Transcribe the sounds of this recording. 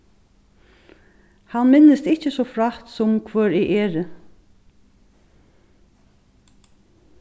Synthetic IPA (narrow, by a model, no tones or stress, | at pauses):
hanmɪnəst̪ɪcəsɔfɾaht̪sɔmkʰvœɹɪʔɛːɾə